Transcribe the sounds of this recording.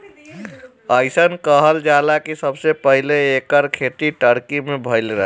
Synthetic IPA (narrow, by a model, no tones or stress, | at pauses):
əjsənkəɦəld͡ʒalakisəbsepəɦileːkəɾkʰeʈ̪iʈəɾkimebʱəjlɾəɦ